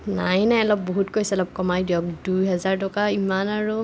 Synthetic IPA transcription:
najnajɔlɔbːoɦutkojsɛɛlɔp̚kɔmajdiɔk̚dujɦɛzaɹtɔkaimanaɹu

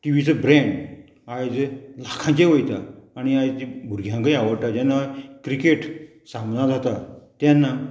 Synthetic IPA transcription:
ʈ̪iʋit͡səbɾɛ̃ɳɖ | ajd͡zlakʰãɲt͡ɕeʋəjt̪aːɽ̃iajt̪ibʱuɾɡʱjãŋkaiaʋəɽʈ̪ad͡ʑanːakɾikeʈ | sãmnad͡zʱat̪at̪janːa

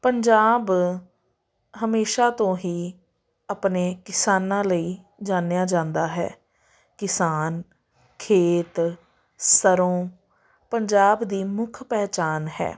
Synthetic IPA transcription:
pəɲd͡ʒaːb | ɦəmeːʃaːt̪õːɦiː | apneːkɪsaːnãːləiː | d͡ʒaːnejaːd͡ʒãːnd̪aːɦɛ̰ː | kɪsaːn | kʰeːt̪ | səɾõː | pəɲd͡ʒaːbd̪iːmʊkʰpɛːt͡ʃaːnɦɛ̰ː

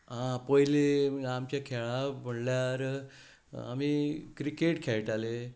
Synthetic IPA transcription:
ɦãpɔjleamt͡ɕjakʰeɭãməɽljaɾ | a̰mikɾikeʈkʰeɭʈale

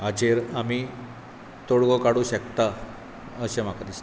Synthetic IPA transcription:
ad͡ʑeɾami | t̪oɽɡɔkaɽuɕəkt̪a | əɕem̤akad̪is

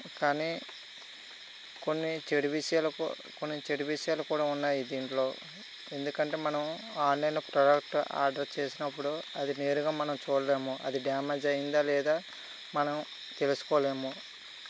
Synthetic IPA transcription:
kaːni | konːit͡ʃeɽiʋiʂɐjaːlṵ | ko̞nːit͡ʃeɽiʋiʂɐjaːlukuːɽaːunːaːjid̪iːɳʈlo̞ː | e̞nd̪ukɐɳʈe̞ːmɐnɐm | aːnlɐjnpɾɐɖɐk̚ʈa̰ːɾɖɐɾt͡ʃe̞ːsinɐpːuɽuɐd̪ine̞ːɾuɡaːmɐnɐmt͡ʃuːleːmuʔɐd̪iɖjaːmɐd͡ʒɐjind̪aːlɛːd̪aː | mɐnɐm | t̪e̞lusu̥koːleːmu

